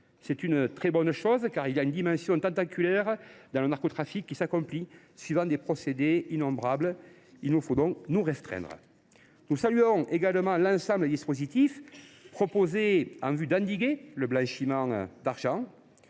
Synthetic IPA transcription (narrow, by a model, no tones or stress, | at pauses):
sɛt̪ynət̪χɛbɔnəʃɔzkaʁilaynəd̪imɑ̃sjɔ̃t̪ɑ̃nt̪akʲylɛʁd̪ɑ̃lənaʁkɔt̪χafikːisakɔ̃mpli | swɥivɑ̃d̪epχɔsed̪einɔ̃mbʁablə | ilnufod̪ɔ̃knuʁɛst̪χɛ̰̃nd̪ʁə̰ | nusalyɔ̃eɡaləmɑ̃lɑ̃sɑ̃bləed̪ispozit̪ifpχɔpozeɑ̃vyd̪ɑ̃nd̪iɡeləblɑ̃ʃimɑ̃d̪aʁʒɑ̃